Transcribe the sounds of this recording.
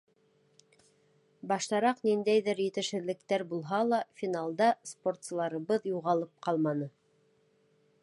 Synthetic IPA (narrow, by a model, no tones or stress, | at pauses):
bɑʃt̪ɑɾɑqnind̪æjðɘɾjɘ̆t̪ɘ̆ʃhɘ̆ðlɘ̆kt̪æɾbulˠɦɑlˠɑfʲinalˠd̪ɑspo̞rt̪slˠɑɾɤ̆βɤðjuʁɑlˠɤp̚qɑlˠmɑnɤ